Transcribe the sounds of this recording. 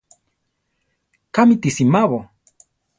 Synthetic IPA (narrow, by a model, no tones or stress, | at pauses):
kamit̪isimaβo